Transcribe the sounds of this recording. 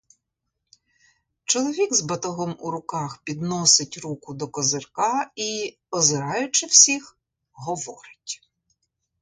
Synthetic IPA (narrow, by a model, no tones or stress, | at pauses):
t͡ʃɔlˠɔʋʲiɡzbɐt̪ɔɦɔmuɾʊkɑxpʲid̪nɔsɪtʲɾukʊd̪ɔkɔzɪrkɑi | ɔzɪɾɑjʊt͡ʃɪwsʲix | ɦɔʋɔɾɪ̥tʲ